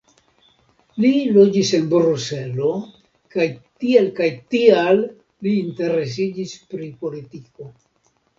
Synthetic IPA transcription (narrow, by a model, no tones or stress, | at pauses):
lilo̞d͡ʒise̞nbɾuse̞lo̞ | kajtielkajtialː | iːnte̞ɾe̞s̬id͡ʒispɾipo̞litiko̞